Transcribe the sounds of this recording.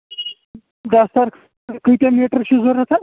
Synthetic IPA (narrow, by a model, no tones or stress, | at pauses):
ɡast̪aɾ | kət̪jameʈəɾɕuːd͡zəɾat̪a